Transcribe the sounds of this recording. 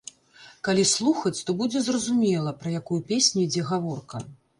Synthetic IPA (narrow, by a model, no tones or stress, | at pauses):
kalʲislˠuxɐt͡sʲt̪ɔbud͡zʲɛzrɐzumʲɛlˠɐpɾɐjakujupʲesʲnʲujd͡zʲɛɣavɔrkɐ̰